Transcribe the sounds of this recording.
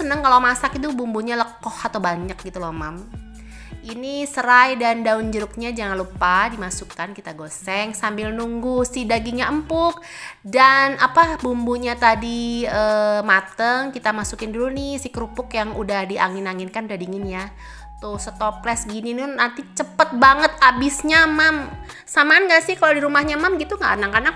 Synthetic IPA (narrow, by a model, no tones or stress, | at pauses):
sənəŋkalomasakit̪̬ubumbuɲaləkɔhat̪awbaɲək̚ɡit̪ulɔhmam | ʔinisəɾajdandaʊnd͡ʒəɾʊk̚ɲad͡ʒaŋanlupadimasukankit̪aɡosɛŋsambɪlnuŋɡusidaɡiɲaʔəmpʊk̚ | danapabumbuɲat̪adiəmat̪əŋkit̪amasukɪndulunɪhsɪhkəɾupʊkjaŋudahdiʔaŋɪnaŋɪnkanudahdiŋɪnja | t̪ʊsət̪ɔplɛsɡininʊːant̪it͡ʃəpət̪̚baŋət̪̚abisɲamam | samanɡaʔsɪhkaladiɾumahɲamamɡit̪uŋɡa̰ʔnaŋkana